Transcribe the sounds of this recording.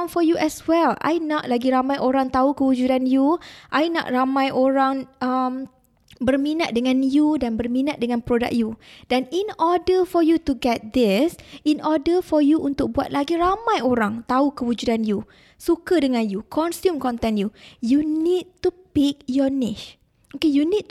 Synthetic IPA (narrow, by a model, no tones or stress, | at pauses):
mfɔjuʔɛswɛla̰jnɔʔ̪̚laɡiɾamãjʔoɾãŋt̪aukəwud͡ʒudanjuʔajnɔ̰t̪̚ramãjʔoɾãŋəm | bərmĩnat̪̚dəŋãnjudãnbərmĩnat̪̚dəŋãnpɾoda̰k̚jud̥ɛ̃ninɔdəfɔjutuɡɛt̪̚d̪ɪsinɔdəfɔjuʔunt̪ʊk̚bua̰t̪̚laɡiɾamãjoɾaŋt̪aukəwud͡ʒudanju | sukadəŋãnjukʰɔnsjumkɔnt̪ɛ̃njujunid̚t̪upik̚jɔnɪʃ | okejunid̚t